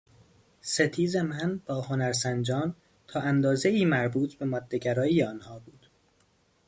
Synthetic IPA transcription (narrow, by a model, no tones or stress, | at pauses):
se̞t̪ʰiːzemænb̥ɒːho̞næɾsænd͡ʒɒːn | t̪ʰɒːʔænd̪ɒːze̞iːmæɾbuːt̪ʰbe̞mɒːd̪ːe̞ɟæɾɒːiːjeɒːnhɒːbuːd̪̥